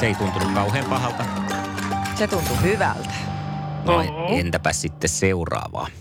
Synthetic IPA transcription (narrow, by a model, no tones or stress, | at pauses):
seeˑit̪unt̪unukkɑuheːmpɑhɑlt̪ɑ | set̪unt̪uhyʋæ̰lt̪æ̥ʋɑient̪æpæssit̪ːesseurɑ̰ːʋɑ̰ː